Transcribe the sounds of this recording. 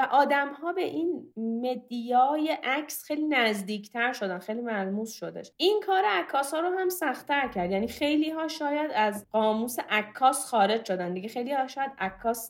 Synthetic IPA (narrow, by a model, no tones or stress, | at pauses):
væʔɒːd̪æmhɒːbe̞̰ʔinme̞d̪ijɒːjeʔæcʰsxejliːnæzd̪iːcʰt̪ʰæɾʃo̞d̪ænxejliːmælmuːsʃod̪ḛʃʔinkʰɒːɾeækʰːɒːshɒːɾoɦæmsæxt̪æɾcʰæɾd̪jæːniːxe̞jliːɦɒːʃɒːjæd̪æzɢɒːmuːseʔækʰːɒːsxɒːɾe̞d͡ʒʃod̪ænd̪iɟexejliːhɒʃɒːjæd̪ækʰːɒːs